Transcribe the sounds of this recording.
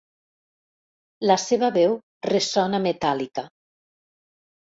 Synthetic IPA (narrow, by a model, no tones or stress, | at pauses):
laseβaβɛw | resɔnamet̪alika